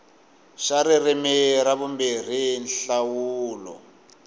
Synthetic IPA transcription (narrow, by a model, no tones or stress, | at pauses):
ʃaɾirimiɾaβumbir̤inɬawuːlɔ̰